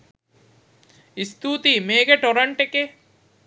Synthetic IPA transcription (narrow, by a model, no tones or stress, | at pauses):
ist̪ut̪imeːɡeʈoɾɐɳʈeke